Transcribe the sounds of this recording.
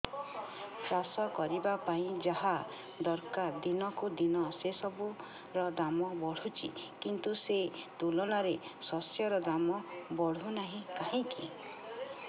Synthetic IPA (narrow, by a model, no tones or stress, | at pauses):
sɾasɔkɔɾibapaĩd͡ʒaɦa | d̪ɔɾkaɾd̪inɔkud̪inɔsesɔbu | ɾɔd̪amɔbɔɽ̤ut͡ʃʰḭkint̪uset̪ulɔnaɾesɔsjɔɾɔd̪amɔbɔɽ̤unaɦĩkaɦĩki